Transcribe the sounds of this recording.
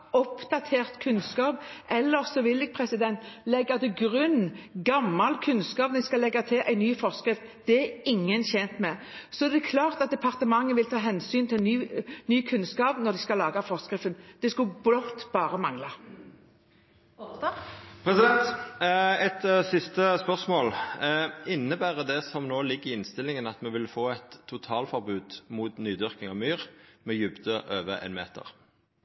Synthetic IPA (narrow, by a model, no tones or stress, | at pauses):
ɔpd̪ɑt̪ʰeːʁt̪kʰʉnskɑːpɛlːəʁsɔʋɪlːɪɡ̚pʰʁɛsɪd̪ɛnt̪lɛɡːɑt̪ʉɡɾʉnɡɑmːɑlkʰʉnskɑːpnɪskɑlɛɡːɑt̪ʰɪlʔæɪnyːfɔʁskɾɪft̪d̪̥ɛɛɾɪŋːənçɛnt̪mɛ | sɔd̪ɛkʰlɑːʁt̪ɑt̪̚d̪ɛpʰɑʁt̪əmɑŋːəʋɪlt̪ʰɑːɦɛnsyːnt̪ʰɪlnyːnyːkʰʉnskɑːpnɔd̪ɪskɑlɑːɡɑfɔʁskʁɪft̪ənd̪̥ɛskʉblɔt̪ːb̥ɑːɾəmɑŋlɑ | pʰʁɛsɪd̪ɛnt̪ | ɛt̪sɪst̪əspœʁsmoːl | ɪnːəbæːʁəd̪ɛsɔmnoːlɪɡːʁɪɪnst̪ɪlɪŋənɑt̪mɛʋɪlfoːɛt̪ʰːʊt̪ʰɑːlfɔʁbʉːd̪̥muːt̪nyːd̪ʏʁkɪŋɑʋmyːʁmɛjʉbd̪əʔøːʋə̰ʔɛ̰ɪnmḛːt̪ə̰ʁ